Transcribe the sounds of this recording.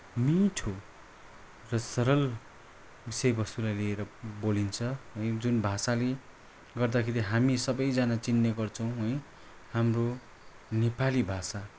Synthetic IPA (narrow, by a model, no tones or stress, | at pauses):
miʈʰo | rʌsʌɾʌl | bisʌjbʌst̪ulajlieɾʌbolint͡sʰʌɦʌjd͡zunbʱasale | ɡʌrd̪akʰeɾiɦamisʌbʌjd͡zanat͡sinːʌɡʌrt͡sʰʌw̃ɦʌj | hamro | nepalibʱasa